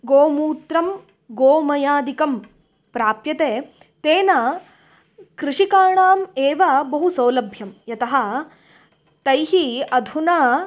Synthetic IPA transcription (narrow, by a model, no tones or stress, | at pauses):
ɡoːmuːt̪ɾɐm | ɡoːmɐjaːd̪ikɐm | pɾaːpjɐt̪eː | t̪eːnɐ | kɾɪʂikaːɳaːmeːʋɐbɐɦusɐwlɐbʱjɐmjɐt̪ɐɦɐ̆ | t̪ɐjɦiɐd̪ʱunaː